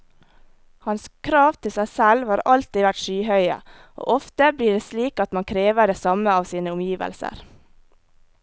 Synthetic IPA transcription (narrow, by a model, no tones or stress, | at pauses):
hɑnskʰɾɑːʋt̪ʰɪlsæɪsɛlʋhɑːɾɑlt̪ɪʋæʈʃyːhœʏə̰ | ʔo̰ːʔɔft̪əbliːɖeːsliːkɑt̪mɑŋkʰɾeːʋəɖeːsɑməɑːʋsiːnəʊmjiːʋə̰lsə̰ɾ